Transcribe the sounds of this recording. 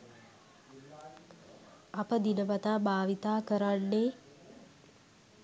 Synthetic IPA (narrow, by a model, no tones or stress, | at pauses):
apəd̪inəʋat̪aːbʱaːʋit̪aːkəɾanːeː